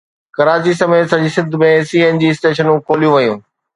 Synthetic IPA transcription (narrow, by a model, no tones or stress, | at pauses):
kɐɾaːt͡ɕisɐmeːt̪sɐd͡ʑisɪd̪ʱmẽsiːend͡ʑiːɪsʈeːʃənũːkoːlijũʋɐjũː